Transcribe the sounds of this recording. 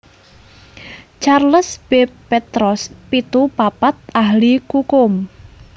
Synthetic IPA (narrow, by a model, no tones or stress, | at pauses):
t͡ʃarləsb̥epet̪ɾɔspit̪upapat̪̚ʔahlikukʊm